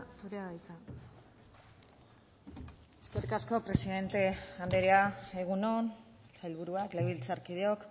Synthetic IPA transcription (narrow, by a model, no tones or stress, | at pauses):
suɾeaɣajt͡s̪a | eskeɾikasko̞pɾe̞siðe̞nt̪e̞and̪eɾeae̞ɣ̞uno̞n | sajlβ̞uɾuakleβilt͡saɾkið̞eo̞k